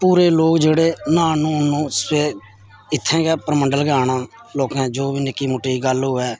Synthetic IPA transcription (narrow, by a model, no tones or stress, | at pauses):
puːɾeːloːkd͡ʒeːɽeːnãːnũːnũːseː | ɪt̪ʰːɛ̃ːɡɛːpəɾməɳɖəlɡaːɳãː | loːkɛ̃ːd͡ʒoːbiːnɪkːiːmʊʈːeːiːɡəlɦoːɛː